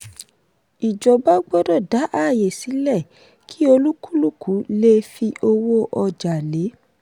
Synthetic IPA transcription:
i˨d͡ʒɔ˨ba˦ɡ͡bɔ˦dɔ˦˨da˨˦ʔa˦˨je˨si˨˦lɛ˦˨ | kʰi˦o˧lu˦kʰu˦lu˦˨ku˨˦le˦fi˧ʔo˧wo˦ʔɔ˧d͡ʒa˨le˨˦

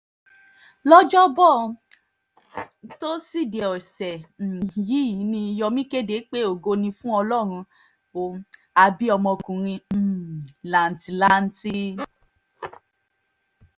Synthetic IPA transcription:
lɔ˦d͡ʒɔ˦bɔ˦˨ | to˦si˦˨de˨ɔ˨sɛ˨ji˨˦i˨˦nĩ˧jɔ˧mĩ˦ke˦de˨˦k͡pe˦o˨ɡo˧nĩ˧fũ˦ɔ˧lɔ˦˨ɾ̃ũ˧ | o˨˧ | a˧bi˦ɔ˧mɔ̃˧kũ˨ɾ̃ĩ˧˦˨la˨n˨ti˨la˦n̩˦ti˦

